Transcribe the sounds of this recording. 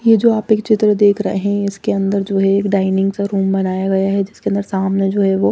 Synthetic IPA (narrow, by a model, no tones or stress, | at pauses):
jed͡ʒoːaːpeːkt͡ʃɪt̪ɾəd̪eːkʰɾɐ̰ɦeɦɛ̃ɪskeɐ̃nd̪əɾd͡ʒoːɦɛeːkɖaːɪnɪ̃ŋɡsaɾuːmbɐnaːjaɡɐjaɦɛd͡ʒɪskeɐ̃nd̪əɾsaːmned͡ʒoːɦɛʋoː